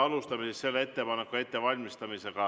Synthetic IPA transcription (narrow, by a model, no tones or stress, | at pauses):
ɑlust̪ɑmisesse̞lːee̞t̪ːe̞pɑne̞kːˑue̞t̪ːe̞vɑlʲmist̪ɑmise̞ɡ̥ɑ